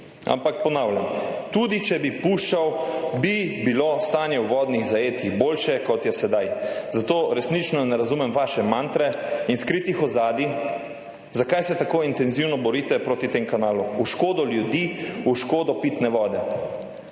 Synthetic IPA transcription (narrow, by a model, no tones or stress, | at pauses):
a̰mpak̚pɔnawljamt̪uːd̪it͡ʃɛbipuʃt͡ʃawbibilost̪aːnjɛwʋɔːd̪niɣzajeːt̪ixboːlʃɛkɔt̪jɛsɛd̪ajzat̪oːɾɛsnit͡ʃnɔnɛɾazumɛmʋaːʃɛmant̪ɾɛinskɾit̪ixɔzaːd̪i | zakajsɛt̪akoːint̪ɛnziwnɔbɔɾiːt̪ɛpɾoːt̪it̪emkanaːluuʃkoːd̪ɔljud̪iuʃkoːd̪ɔpit̪nɛʋɔːd̪ɛ